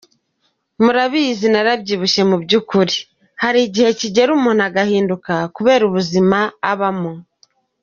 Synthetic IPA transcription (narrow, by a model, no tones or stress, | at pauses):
muɾaβiːzinaɾabɟiːβuʃe̞mubɟukuɾi | haɾiːɟihe̞ciɟe̞ɾumun̥haɡahiːndukakuβe̞ːɾuβuzimaːβamo